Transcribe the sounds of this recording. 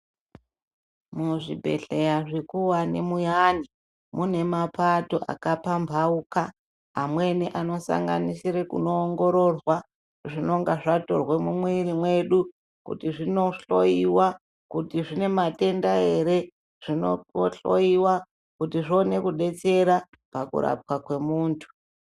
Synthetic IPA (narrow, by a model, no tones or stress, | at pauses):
muʐibʱe̞̰ɬe̞jaʐikuwanḛmujaːni | mune̞mapato̞ʔa̰kapambʱaukaː | mwe̞niʔano̞sa̰ŋɡa̰nisiɾekṵno̞ːŋɡo̞ɾo̞rwa | ʐino̞ŋɡaʐato̞̰rwe̞mumwiɾimwe̞ɗu | kṵtiʐino̞ɬo̞̰jiwa | kutiʐine̞mate̞ndae̞ɾe̞ | ʐ̥ino̰ɬo̞̰iwa | kutiʐo̞ne̞kuɗe̞t͡se̞ɾa | pakṵɾa̰p̚wakwe̞muːntʰu̥